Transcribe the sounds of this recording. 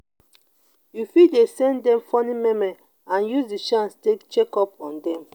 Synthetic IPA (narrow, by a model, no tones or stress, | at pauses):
jufidesɛ̃ndɛ̃mfɔnĩmɛmɛ | ãnjuzdiʃãnstekt͡ʃekɔpɔ̰̃ndɛ̃m